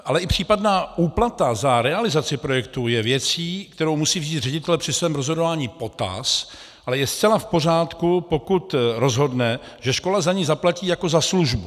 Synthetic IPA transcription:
ʔalɛʔɪpr̝̥iːpadnaːʔuːplat̪azaɾɛalɪzat͡sɪpɾo̞jɛkt̪ujɛvjɛt͡siːk̚t̪ɛɾo̞wmusiːvziːt̪r̝ɛɟɪt̪ɛlɛpr̥ɪsvɛːmɾozɦodo̞vaːɲiːpo̞t̪a̰s | ʔalɛjɛst͡sɛlafpo̞r̝aːt̪kupo̞kut̪ɾo̞zɦo̞dnɛ | ʒɛʃko̞lazaɲijzaplaciːjako̞zasluʒbu

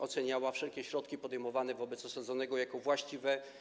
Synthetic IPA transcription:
ɔt̪sɛɲawafʂɛlkʲɛɕɾɔt̪kʲipɔd̪ɛjmɔvanɛvɔbɛt̪sɔsad̪zɔnɛɡɔjakɔvwaɕt͡ɕivɛ

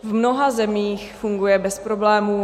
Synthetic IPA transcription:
vmnoɦazɛmiːxfuŋɡujɛbɛspɾo̞blɛːmuː

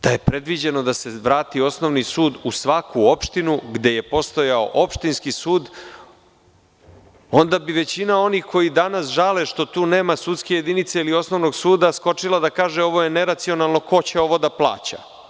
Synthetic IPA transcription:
d̪̥aje̞pɾe̞d̪ʋid͡ʑe̞no̞d̪ase̞ʋɾaːt̪io̞sno̞ʋnisuːd̪usʋakʰuo̞pʃt̪inuɡd̪e̞je̞po̞st̪o̞jao̰ʔo̞pʃt̪inskisuːd̪ | o̞nd̪abiʋe̞t͡ɕinao̞nixkʰo̞jid̪anasʒaleʃt̪o̞t̪uːne̞ːmasut̪ske̞je̞d̪init̪seilio̞snoʋno̞ɡsuːd̪asko̞t͡ʂilˠad̪akaːʒeo̞ʋo̞jene̞ɾat̪sio̞nalˠno̞ko̞t͡ɕeo̞ʋo̞d̪aplˠa̰ːt͡ɕa̰

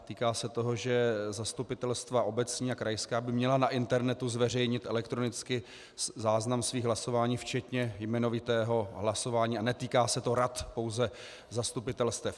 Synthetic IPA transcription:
t̪iːkaːsɛt̪o̞ɦo̞ʒɛzast̪upɪt̪ɛlst̪vaʔo̞bɛt͡sɲiːakɾajskaːbɪmɲɛlanaʔɪnt̪ɛɾnɛt̪uzvɛrɛjɲɪt̪ʔɛlɛkt̪ɾonɪt͡skɪ | zaːznamsviːɣɦlaso̞vaːɲiːft͡ʃɛt̪ɲɛjmɛnovɪt̪ɛːɦo̞ɦlaso̞vaːɲiːanɛt̪iːkaːsɛt̪o̞ɾat̪po̞wzɛ | zast̪upɪt̪ɛlst̪ɛf

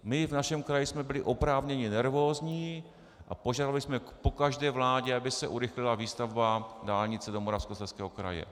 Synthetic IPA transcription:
mɪvnaʃɛmkɾajɪsmɛbɪlɪʔo̞pɾaːvɲɛɲɪnɛɾvo̞ːzɲiː | ʔapoʒaːdalɪsmɛpo̞kaʒdɛːvlaːɟɛabɪsɛʔuɾɪxlɪlaviːst̪avbadaːlɲɪt͡sɛdomoɾafskosɛskɛːɦokɾa̰jɛ̰

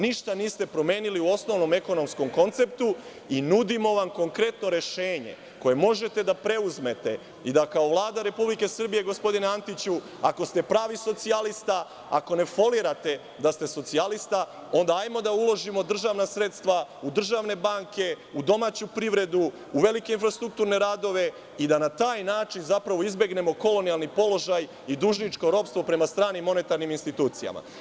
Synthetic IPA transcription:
niʃt̪aniːst̪e̞pɾo̞me̞ːniliuo̞sno̞ʋno̞me̞ko̞no̞msko̞mko̞nt̪se̞p̚t̪u | inud̪imo̞ʋamko̞ŋkɾe̞t̪no̞ɾe̞ʃe̞ːɲe̞̰ | ko̞je̞mo̞ʒe̞t̪e̞d̪apɾe̞uzme̞t̪e̞ | id̪akao̞ʋlˠaːd̪aɾe̞publike̞sr̩bije̞ɡo̞spo̞d̪ineant̪it͡ɕu | a̰ko̞st̪e̞pɾaːʋiso̞t̪sialist̪a | a̰ko̞ne̞fo̞liɾat̪e̞ | d̪ast̪e̞so̞t̪sialist̪a | o̞nd̪aajmo̞d̪aulˠo̞ʒimo̞d̪r̩ʒaʋnasɾe̞t̪st̪ʋaud̪r̩ʒaʋne̞baŋke̞ | ud̪o̞maːt͡ɕupɾiʋɾe̞d̪u | uʋe̞like̞infɾast̪ɾuk̚t̪uːɾne̞ɾaːd̪o̞ʋe̞ | id̪anat̪aːjnaːt͡ʃinzapɾaʋo̞izbjeɡne̞mo̞ko̞lo̞nijalˠnipo̞lo̞ʒaj | id̪uʒnit͡ʃko̞ɾo̞pst̪ʋo̞pɾe̞mast̪ɾaːnimːo̞ne̞t̪aɾniminst̪it̪uːt̪sija̰ma̰

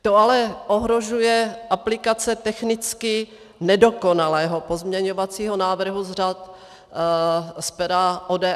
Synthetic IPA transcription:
t̪oalɛʔoɦɾoʒujɛʔaplɪkat͡sɛt̪ɛxnɪt͡skɪ | nɛdo̞konalɛːɦopozmɲɛɲovat͡siːɦonaːvr̩ɦuzr̝at̪ | spɛɾaʔoːdɛ

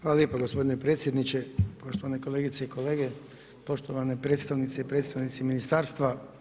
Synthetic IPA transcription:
xaːlaljepoɡospo̞d̪inepɾet̪sjed̪nit͡ʃepo̞ʃt̪oʋaneko̞le̞ːɡit̪seiko̞leːɡe | po̞ʃt̪oʋanepɾeːt̪st̪aʋnit̪seipɾet̪st̪aʋnit̪siminist̪aːɾst̪ʋa

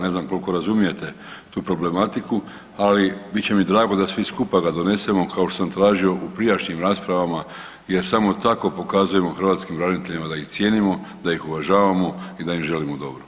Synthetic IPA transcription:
ne̞znamko̞lko̞ɾazumije̞t̪e̞ | t̪uːpɾo̞ble̞mat̪iku | alibitt͡ɕe̞mid̪ɾaːɡo̞d̪asʋiskupaɡad̪o̞ne̞se̞mo̞kao̞ʃt̪os̬amt̪ɾaːʒio̞ʔupɾijaʃɲimɾaːspɾaʋama | je̞ɾsamo̞t̪ako̞po̞kazuje̞mo̞xɾr̩ʋaːt̪skimɾaznit̪eʎimad̪aixt̪sʲje̞nimo̞d̪ajixuʋaʒaːʋamo̞id̪aimʒe̞limod̪o̞bɾo

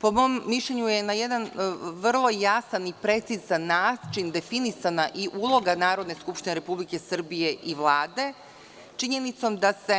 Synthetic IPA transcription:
po̞mo̞mːiʃʎeɲuje̞najed̪anʋr̩lˠo̞jasanipɾe̞t̪sizanːaːt͡ʃind̪e̞finisanaʔiʔulˠo̞ɡanaːɾo̞d̪ne̞skupʃt̪ineɾe̞publike̞sr̩bijeʔiʋlˠaːd̪e̞ | t͡ʃiɲe̞nit̪so̞md̪ase̞

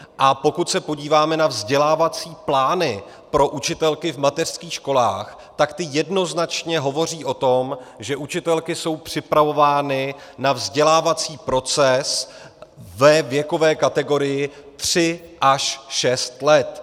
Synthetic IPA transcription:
ʔapo̞kut̪sɛpo̞ɟiːvaːmɛnavzɟɛlaːvat͡siːplaːnɪ | pɾo̞ʔut͡ʃɪt̪ɛlkɪvmat̪ɛr̥skiːxʃko̞la̰ːx | t̪akt̪ɪjɛdno̞znat͡ʃɲɛɦo̞vo̞r̝iːʔo̞t̪o̞mʒɛʔut͡ʃɪt̪ɛlkɪso̞wpr̝̥ɪpɾavo̞vaːnɪnavzɟɛlaːvat͡siːpɾo̞t͡sɛs | vɛvjɛko̞vɛːkat̪ɛɡo̞ɾɪjɪt̪r̝̥ɪʔaʃʃɛst̪lɛt̪

